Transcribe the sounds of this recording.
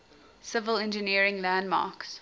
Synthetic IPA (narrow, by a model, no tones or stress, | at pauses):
sɪvəlɛ̃nd͡ʒəniəɹɪ̃ŋlæ̃ndmɑ̰ːˑks